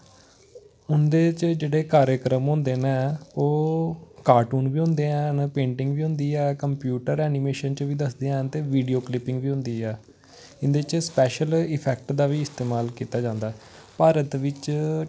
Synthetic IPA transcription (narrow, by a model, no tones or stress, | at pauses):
ʊnd̪eːt͡ʃd͡ʒeːɽeːkaːɾjəkɾəmɦʊ̃nd̪eːneːoːkaːɾʈuːnʋiːɦʊ̃nd̪eːɛ̃ːnpẽːɳʈɪ̃ŋɡʋiːɦʊ̃nd̪iːɛːkəmpjuːʈəɾɛːnimeːʃənt͡ʃʋiːd̪əsd̪eːɛ̃t̪eːʋiːɖiːoːklɪpɪ̃ŋɡʋiːɦʊ̃nd̪iːɛː | ɪnd̪eːt͡ʃspɛːʃəlɪpʰɛːk̚ʈd̪aːʋiːɪst̪eːmaːlkiːt̪aːd͡ʒãːnd̪aː | paːɾət̪ʋɪt͡ʃ